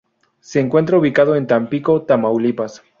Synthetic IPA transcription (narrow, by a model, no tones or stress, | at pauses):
se̞ːŋkwe̞nt̪ɾauβikaðoent̪ampiko̞t̪amawlipas